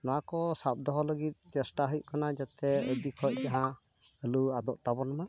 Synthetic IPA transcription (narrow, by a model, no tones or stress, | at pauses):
nɔwakɔsap̚d̪ɔɦɔləɡit̪̚ˀt͡ʃɛsʈaɦəjuʔkanad͡ʒat̪ɛəd̪ikʰɔc̚ˀd͡ʒaɦã | əluad̪ɔʔt̪abɔnama